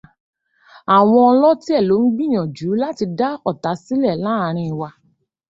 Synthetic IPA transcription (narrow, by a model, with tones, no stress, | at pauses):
a˨w̃ɔ̃˧ɔ˧lɔ˦ti˦ɛ˦˨lo˨˦n̩˦ɡ͡bĩ˦˨ɔ̃˨d͡ʒu˨˦la˦ti˧da˦ɔ˦˨ta˨˦si˦lɛ˦˨lã˦˧ɾ̃ĩ˧wa˧